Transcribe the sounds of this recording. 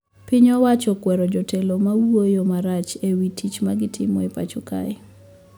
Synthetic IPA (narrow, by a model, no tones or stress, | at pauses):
pɪɲɔwat͡ʃɔkwɛɾɔd͡ʒɔtʰelomawojomaɾat͡ʃewitʰit͡ʃmaɡɪtʰɪ̰mɔ̰epa̰t͡ʃɔka̰ɛ